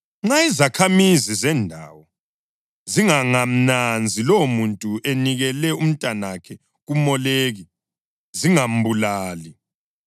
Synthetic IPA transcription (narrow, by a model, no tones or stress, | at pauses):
ŋ͡ǁaizakʰamizizɛndʱawɔ | ziŋaŋam̩nand͡zʱilomuntʼuʔeniɣɛlɛum̩tʼanakʰɛ | ɣumɔleːɣi | ziŋam̩bulaːli